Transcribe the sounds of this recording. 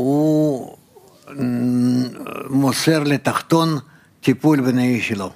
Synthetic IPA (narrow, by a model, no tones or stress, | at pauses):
u | moseɾlet̪aχt̪o̞n | t̪ʲipulʲbenaiʃelo